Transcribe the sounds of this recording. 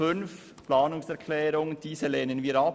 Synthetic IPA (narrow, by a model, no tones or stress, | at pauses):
ʏnf | plɑːnʊŋsɛʁkʰlɛːɾʊŋd̥iːsəleːnənviːɾɑ